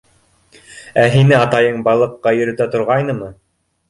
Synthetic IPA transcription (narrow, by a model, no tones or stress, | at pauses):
æɦinɘɑt̪ɑjɤɴbɑlˠɤ̆qːɑjɵ̆ɾɵ̆t̪æt̪ŏɾʁɑjnɤmɤ